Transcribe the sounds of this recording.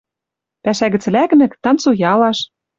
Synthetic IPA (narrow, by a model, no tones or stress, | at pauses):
pæʃæɣɘ̆t͡slæknɘ̆kt̪ɑnt͡sojɑlɑʃ